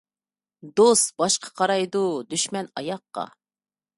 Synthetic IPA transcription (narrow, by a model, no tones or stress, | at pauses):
d̪ost̪bɑʃqʰɑ̥qʰɑɾɑjd̪ud̪yʃmɛnɑjɑqːɑ̰